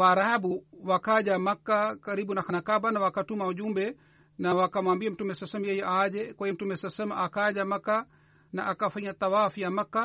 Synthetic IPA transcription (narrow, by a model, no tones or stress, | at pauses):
waɾahabuwakaʄamakːakaɾiɓunaxanakabanawakatumauʄumbɛ | nawakamwambiam̩tumɛsasɛmjɛjɛʔaʄɛkwahim̩tumɛsasɛmaʔakaʄamakːa | naʔakafaɲat̪awafijamakːa